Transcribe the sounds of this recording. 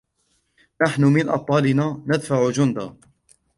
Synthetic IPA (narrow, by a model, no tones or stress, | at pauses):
naħnʊmɪnʔɑ̰t̪ˤːɑːlɪnaːnad̪faʕʊd͡ʒʊnd̪aː